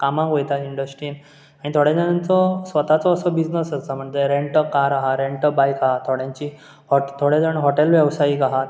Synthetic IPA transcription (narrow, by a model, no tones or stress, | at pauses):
kamãkojt̪aiɳɖəsʈɾiːn | aɽ̃it̪ʰoɽad͡zənãnt͡sɔsʋət̪at͡sɔːsəbid͡znəsət͡səm̤əɳd͡zeɾeɳʈəkaɾaɦaɾeɳʈəbajkaɦat̪ʰoɽjãɲt͡ɕi | hɔʈt̪ʰoɽed͡zəɳɦoʈelʋjəʋsaikaɦat̪